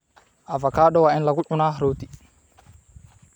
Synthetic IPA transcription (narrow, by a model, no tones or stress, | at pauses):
ʔɐfɐkaːɗɔwaːʔɪnlɐɡʊʕʊnaːɾoːt̪i